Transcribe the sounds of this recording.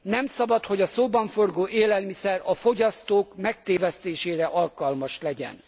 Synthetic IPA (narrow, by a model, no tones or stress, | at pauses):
nɛmsɒbɒt̪ho̞ɟɒsoːbɒɱfo̞rɡoːʔeːlɛlmisɛrɒfo̞ɟɒst̪oːkmɛk̚t̪eːvɛst̪eːʃeːɾɛʔɒlkɒlmɒʃlɛɟɛ̰n